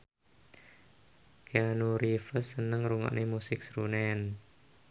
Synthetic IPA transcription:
keanuɾifəsənəŋɾuŋɔ̰ʔnʔemusɪk̚sɾunɛn

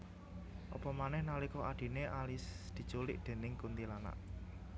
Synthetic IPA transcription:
ʔɔpɔmanɛhnalikɔʔaɖ̪̥i̤neʔalisd̪̥i̤̥t͡ʃulɪʔd̪̥e̤nɪŋkunt̪ilana̰ʔ

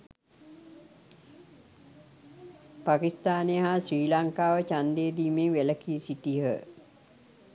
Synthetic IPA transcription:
pakist̪aːnejəɦasriːlaŋkaːʋət͡ʃand̪eːd̪iːmeŋʋeləkisiʈiɦə

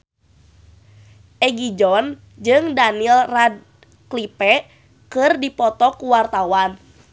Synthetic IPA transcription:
ʔɛɡid͡ʒɔn | d͡ʒɨŋdanilrad̚ | klipɛ | kɨrdipɔt̪ɔkuwart̪awan

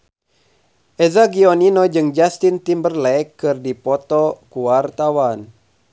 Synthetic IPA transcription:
ʔɛzaɡioninod͡ʒɨŋd͡ʒast̪int̪imbərlɛkːɨrdipɔt̪ɔkuart̪awan

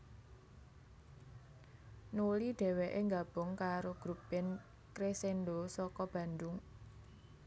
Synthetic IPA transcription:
nuliɖ̥ɛ̤weʔeŋɡab̥ʊ̤ŋkaɾoɡ̥ɾupɪn | kɾesenɖosɔkɔb̥ä̤nd̪ʊŋ

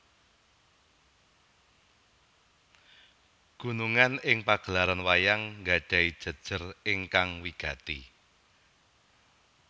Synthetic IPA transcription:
ɡ̥ṳnuŋanɪŋpaɡ̥ə̤laɾanwajaŋŋɡaɖ̥a̤id̥ʒ̥ə̤d̥ʒ̥ə̤rɪŋkaŋwiɡ̥a̤t̪ḭ

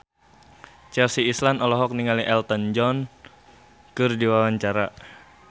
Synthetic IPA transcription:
t͡ʃɛfsiːslanɔlɔɦɔk̚niŋaliʔɛlt̪ɔnd͡ʒɔn | kɨrdiwawaɲt͡ʃaɾa

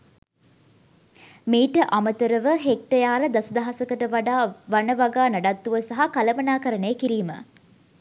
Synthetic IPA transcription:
meːʈəʔamət̪əɾəʋəɦek̚ʈəjaːɾəd̪asəd̪aɦasəkəʈəʋaɖaːʋanəʋaɡaːnaɖat̪ːuʋəsaɦakaləmənaːkəɾənejəkiɾiːmə̰

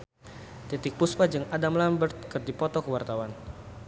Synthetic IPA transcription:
t̪it̪ɪk̚puspad͡ʒɨŋadamlambərt̪̚kərd̪ipɔt̪ɔkəwart̪awan

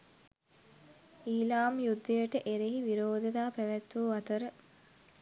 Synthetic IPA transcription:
iːlaːmjud̪ːəjəʈəʔeɾeɦiʋiɾoːd̪əd̪aːpæʋæt̪ːuːʋat̪əɾə

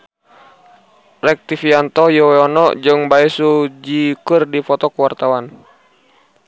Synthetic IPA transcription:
rɛk̚t̪ifiant̪ɔjɔwɛɔnɔd͡ʒɨŋbaɛsud͡ʒikɨrdifɔt̪ɔkuwart̪awan

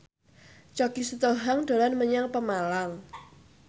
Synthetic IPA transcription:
t͡ʃɔɡisət̪oɦaŋɖ̪̥o̤lanməɲaŋpəmalaŋ

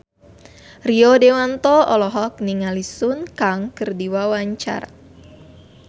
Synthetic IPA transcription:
riɔdewant̪ɔɔlɔɦɔk̚niŋalisunkaŋkɨrdiwawaɲt͡ʃa̰r

